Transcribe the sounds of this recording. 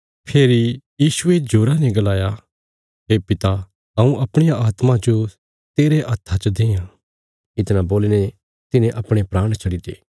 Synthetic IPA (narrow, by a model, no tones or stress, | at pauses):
pʰeːɾijiːʃʊed͡ʒoːɾanɛɡɐlaːja | ɦeːpɪt̪a | ɦɐũʔɐpɽ̃ejaaːt̪mãd͡ʒo | t̪eːɾeʔɐt̪ʰːat͡ʃəd̪ẽːjã | ɪt̪nãboːline | t̪ɪnẽʔɐpɽ̃epɾaːɽ̃t͡ʃʰɐɽid̪ḛː